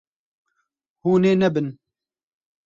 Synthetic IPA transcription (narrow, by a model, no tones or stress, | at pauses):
huːneːnɛbɨn